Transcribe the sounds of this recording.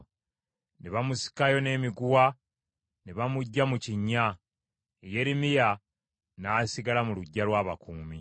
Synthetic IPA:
neβamusi̥kajo̞ne̞ːmiɡuwa | neβamuɟːamuciɲːa | eje̞ɾimija | naːsiɡalamuluɟːalwaːβakuːmi

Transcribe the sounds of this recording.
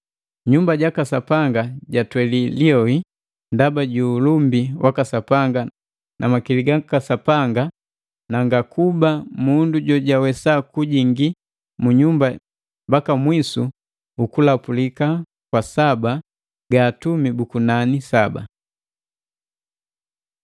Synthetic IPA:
ɲumbaɟakasapaŋɡaɟatwɛliliɔi | ndabaɟulumbiwʔakasapaŋɡa | nʔa̰makiliɡakasapaŋɡa | naŋɡakubamunduɟɔɟawɛsakuɟiŋɡi | muɲumba | mbakamwisu | ukulapulika | kwasaba | ɡaːtumibukunanisaba̰

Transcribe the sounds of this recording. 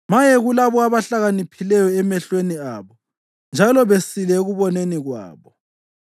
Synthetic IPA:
majɛɣulaβɔaβaɬaɣanipʰilɛjɔɛmɛɬweniaːβɔ | nd͡ʒʱalɔβesilɛɣuβɔneniɣwa̰ːβɔ

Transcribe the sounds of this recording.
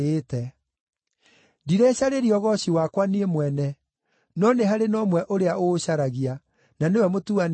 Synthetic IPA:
etɛ | diɾɛɕaɾeɾiɔɣɔɕiwakwaneemwɛnɛ | nɔneɦaɾenɔmwɛʔoɾeaʔoɕaɾaɣia | nanewɛmotuan

